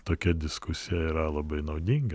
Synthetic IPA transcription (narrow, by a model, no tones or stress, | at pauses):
t̪oːkʲɛd̪ʲɪskʊsʲɪjɛiːɾɐlˠɐbɐɪnɐʊd̪ʲiŋɡɐ